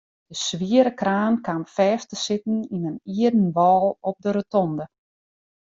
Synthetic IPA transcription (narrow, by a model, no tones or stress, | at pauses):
d̥əsʋiəɾəkraːnkamfɛːftəsɪtn̩inəniədən̩ʋɔːlˠɔp̚dəɾətɔndə